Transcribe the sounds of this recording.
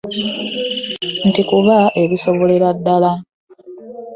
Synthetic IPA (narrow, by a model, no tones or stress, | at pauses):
ntikuβaʔe̞βiso̞βo̞leɾadːala